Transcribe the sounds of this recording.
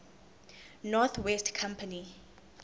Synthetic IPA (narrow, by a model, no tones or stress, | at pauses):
nɔθʰwɛstkʰãmpʰani